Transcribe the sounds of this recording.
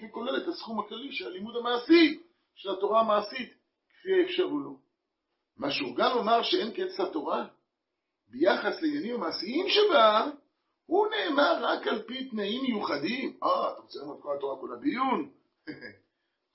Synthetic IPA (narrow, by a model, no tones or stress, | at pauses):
iko̞le̞lethasχumaklaliʃelalimudamaːsi | ʃelato̞ʁaːmaːsit̪ | ke̥fiefʃaʁulo | maʃeuɡamlomaʁʃee̞nkete̥slat̪o̞ʁa | bejaχasleinjanimamaːsiimʃeba | hune̞ːmaʁːakalpit̪naimːejuχad̪imaat̪aʁot͡selamod̪̚kolat̪o̞ʁakolabijun